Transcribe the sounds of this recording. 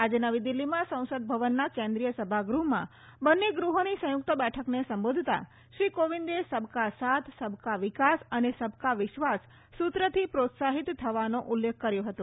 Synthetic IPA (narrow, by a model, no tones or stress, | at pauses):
ad͡ʒenəʋid̪ilːimãsə̃w̃səd̪̚bʱəʋənːakẽnd̪ɾijəsəbʱaɡɾuɦmã̰ | bənːeɡɾuɦonisə̃jʊk̚t̪əbɛʈʰəknesəmbod̪ʱt̪a̰ | ʃɾikoʋind̪esəbʱkasat̪ʰsəbʱkaʋɪkasənesəbʱkaʋɪʃʋasː | ut̪ɾət̪ʰipɾot̪saɦit̪ːʰəʋanõʔʊlːekʰkəɾjõɦət̪ũ